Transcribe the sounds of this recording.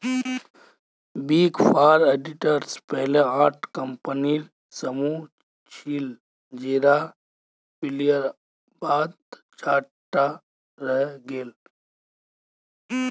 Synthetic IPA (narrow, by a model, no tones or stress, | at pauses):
biːɡpʰaːɾeːɖɪʈəɾspɛɦleaːʈʰkəmpəniɾ | səmu | t͡ʃʰiːl | d͡ʒeːɾa | pɪlijəɾ | baːd̪ | t͡ʃʰaː | ʈa | ɾəɦɡeːl